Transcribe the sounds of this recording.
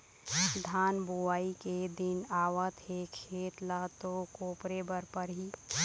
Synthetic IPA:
d̪ʱaːnbuaːiked̪ɪnaːwət̪ekʰeːt̪lat̪okoːpɾebəɾpəɾɦi

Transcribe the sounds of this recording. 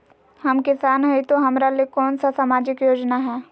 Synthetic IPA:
hɐmkɪsaːnɦɐit̪oɦɐmɾalekɔːnsasamaːd͡ʒɪkjoːd͡ʒnaɦɛː

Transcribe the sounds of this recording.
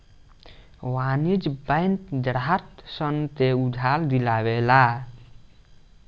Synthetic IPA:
wanid͡ʒbə̃jnt̪d̪ɾaat̪sənt̪eud̪ʱald̪ilaβela

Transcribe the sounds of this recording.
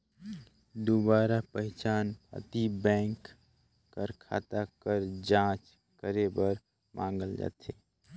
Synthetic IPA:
d̪obaːɾapəɦɪt͡ʃaːnpə̰t̪ibɛ̃ːŋkː | əɾkʰa̰ːt̪akəɾd͡ʒãːt͡ʃ | kəɾebəɾ | mʔã̰ːŋ̆ɡəld͡ʒa̰ːt̪eː

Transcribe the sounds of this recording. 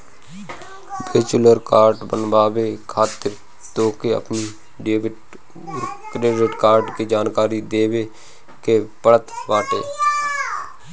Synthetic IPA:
beːt͡ʃʊləɾkaːɾɖbənbaːʋekʰaːt̪ɪɾ | t̪oːkeə̰pni | ɖeːbɪʈ | kɾeːɖeʈkaːɾɖked͡ʒaːnkaːɾid̪eːʋe | kepəɽət̪ʋaːʈḛː

